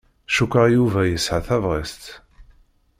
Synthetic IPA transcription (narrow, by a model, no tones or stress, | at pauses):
ʃukəjuvæjəsʕaθævʁist̪